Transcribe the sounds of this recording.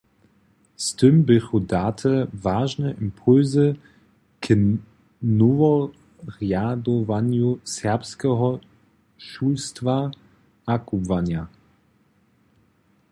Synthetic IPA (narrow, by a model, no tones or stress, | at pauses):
stɪmbɪxudaːtʰəvaːʒnɛʔimpʰʊlzə | kʰə | nɔvɔ | ʁjadɔvanjusɛɐpskɛɦɔ | ʃulstva | akubvanja